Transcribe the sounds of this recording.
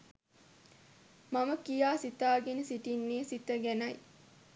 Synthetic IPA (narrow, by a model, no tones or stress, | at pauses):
maməkijaːsit̪aːɡenəsiʈinːeːsit̪əɡænɐj